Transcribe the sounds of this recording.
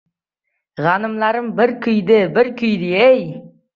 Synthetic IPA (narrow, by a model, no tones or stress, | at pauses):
ʁɑnɨmlˠɑɾəmbɪɾkʰʲʏjd̪ɪbɪɾkʰʲʏjd̪ɪej